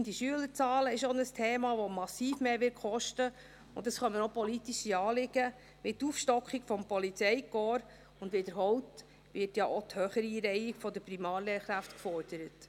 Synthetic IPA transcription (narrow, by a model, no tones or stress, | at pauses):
nd̥iʃyələɾt͡sɑːləɪʃonəstʰeːmɑʋɔmɑsiːfmeːʋɪkʰχɔʃtə | ʊ̰ntːɑsχœnmənopɔlitiʃiɑːlɪɡ̥ə | mɪtuːfʃtɔkχiɡ̥fɔmpɔlit͡sɛɪkɔːɾ | ʊndʋed̥əɾɦɔwt | ʋɪrtjɑʔot̪høχəɾiːɾɛjiɡfɔdəpɾimɑːɾlɛːɾχɾæftkfɔɾd̥əɾət